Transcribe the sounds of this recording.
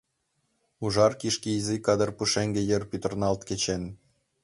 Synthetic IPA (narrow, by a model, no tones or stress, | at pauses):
uʒɑrkiʃkiizikːɑd̪ərpuʃeŋɡĕjə̆rpyt̪ə̆rnɑlt̪ket͡ɕen